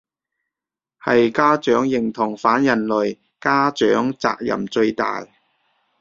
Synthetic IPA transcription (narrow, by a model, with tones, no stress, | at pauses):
hɐ˨jkaː˥t͡ʃœː˨˥ŋjɪ˨ŋt̪ʰʊ˨˩ŋfaː˨˥njɐ˨˩nlɵ˨ɥ | kaː˥t͡ʃœː˨˥ŋt͡sa̰ː˧k̚jɐ̰˨˩mt͡ʃɵ˧ɥt̪a̰ː˨j